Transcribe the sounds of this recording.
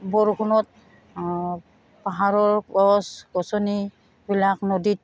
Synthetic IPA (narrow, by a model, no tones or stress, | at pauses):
bɔɹkʰunɔt̚ | paɦaɹɔɹɔsɡɔsɔni | bilaknodit̚